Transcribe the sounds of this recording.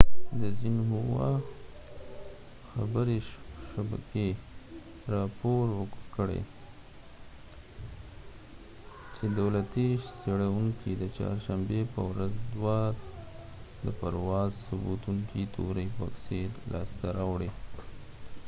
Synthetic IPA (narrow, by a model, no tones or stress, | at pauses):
d̪əzinɦuwa | xabəɾeʃaba̰ke | ɾɑpoɾwəkkəɽḛ | t͡ʃed̪awlat̪iseɽawuŋkid̪ət͡ʃɑ̰ɾʃambepəwɾazd̪wɑ | d̪əpaɾwɑzsubut̪uŋkit̪ʰo̰ɾəjfa̰ksid̪lɑst̪aɾawɽe